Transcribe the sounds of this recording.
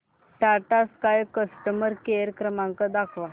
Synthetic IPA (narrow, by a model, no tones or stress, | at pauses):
ʈaʈaskajkəsʈəməɾkeɾkɾəmaŋkad̪akʰʋa